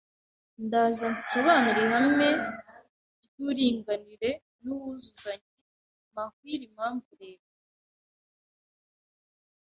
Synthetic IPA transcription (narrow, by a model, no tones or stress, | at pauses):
ndazanso̞βaːniɾehamŋe̞ | ɟuːɾiːŋɡaniɾe̞ | nuβuzuzaɲi | mahwiːɾimaːɱɡuɾeːβa